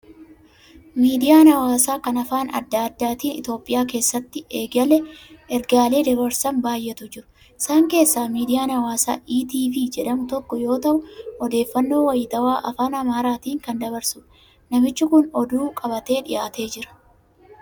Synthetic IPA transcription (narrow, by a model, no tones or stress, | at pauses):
miːd̪ɪjaːnɐwaːsaːkɐnɐfaːnɐ̰d̪ːaːd̪ːaːt̪iːnɪt̪o̞ːpʼːɪjaːk̬e̞ːsːɐt̪ːɪe̞ːɡɐlɛʔɛɾɡaːle̞ːd̪ɐbɐɾsɐmbaːjːɛt̪ʊd͡ʒɪɾʊ̥ | ɪsaːŋke̞ːsːaːmiːd̪ɪjaːnɐwaːsa̰ːʔiːt̪iːfid͡ʒɛᶑɐmʊt̪ɔkːɔjo̞ːt̪ɐʔʊɔd̪e̞ːfːɐnːo̞ːwɐjɪt̪ɐwaːʔɐfaːnɐmaːɾaːt̪iːŋkɐnd̪ɐbɐɾsʊ | nɐmɪt͡ʃːɪkʊnɔd̪uːkʼɐbɐt̪e̞ːᶑɪjʔaːt̪e̞ːd͡ʒɪɾɐ̥